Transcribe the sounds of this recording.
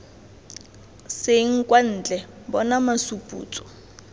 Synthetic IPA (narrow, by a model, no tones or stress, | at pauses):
seŋ̩kʼwan̩ːt͡ɬʼɛ | bɔnamasupʼṵːt͡sʼɔ̥